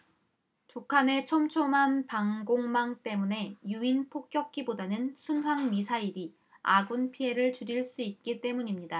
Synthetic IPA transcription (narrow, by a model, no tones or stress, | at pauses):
pukʰane̞t͡ɕʰʌmt͡ɕʰomanpaŋɡoŋmaŋt͈e̞mune̞juinpʰok̚k͈jʌk̚k͈ibodanɯnsʰunɦwaŋmisʰaiɾi | a̰ɡunpʰie̞ɾɯɭt͡ɕuɾiɭs͈uit̚k͈it͈e̞muɲimɲida